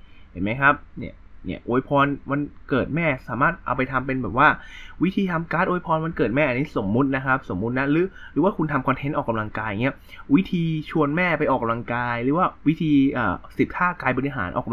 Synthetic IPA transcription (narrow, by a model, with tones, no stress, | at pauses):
he˨˩˦nma˦˥jkʰa˦˥p̚ni˦˥˩ɐnḭ˦˥˩ɐʔoː˧jpʰɔː˧nma˧nkɤː˨˩t̪̚mɛː˥˩saː˩˦maː˥˩t̪̚ʔa˧wpa˧jt̪ʰa˧mpe˧nbɛː˨˩p̚waː˥˩wi˦˥t̪ʰiː˧t̪ʰa˧mkaː˦˥t̪ʔoː˧jpʰɔː˧nma˧nkɤː˨˩t̪̚mɛː˥˩ʔa˧nːiː˦˥so˩˦mːu˦˥t̪̚na˦˥kʰp̚so˩˦mːu˦˥t̪̚na˦˥ɾɯː˨˦˥ɾɯː˩˦waː˥˩kʰu˧nt̪ʰa˧mkʰɔ˧nt̪ʰe˦˥nʔɔː˨˩ka˧mla˧ŋkaː˧ja˨˩ŋi˦˥ɐ | wi˦˥t̪ʰiː˧t͡ɕʰu˧ənmɛː˥˩pa˧jʔɔː˨˩kːa˧mla˧ŋkaː˧jɾɯː˩˦waː˥˩wi˦˥t̪ʰiː˧ʔəː˨˩si˨˩kʰaː˥˩kaː˧jbɔ˧i˧ɦa̰ː˩˦nʔɔː˨˩ka˧